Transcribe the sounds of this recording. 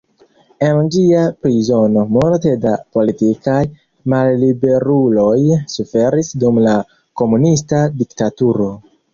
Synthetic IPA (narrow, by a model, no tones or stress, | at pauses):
e̞nd͡ʒiapɾizo̞no̞multe̞dapo̞litikaj | malːibe̞ɾulo̞jsufe̞ɾisdumla | ko̞munistadiktatuɾo̞